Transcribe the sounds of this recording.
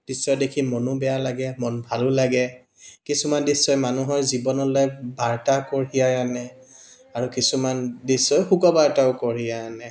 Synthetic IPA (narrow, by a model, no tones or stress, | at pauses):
d̥isɔjdekʰimɔnubɛjalaɡɛmɔnbʱalʊlaɡɛ | kisumandisɔjmanuɦɔjzibɔnɔlɔjbaɹtakoɹijajanɛ | aɹukisumandisɔjxukɔbaɹtaʊkɔɹiajanɛ